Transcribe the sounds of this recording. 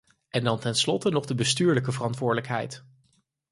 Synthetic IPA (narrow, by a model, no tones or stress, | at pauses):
ʔɛndɑntɛnslɔtənɔχdəbəstyːɹləkəvərɑntʋʊːɹdələkɦɛ̰jt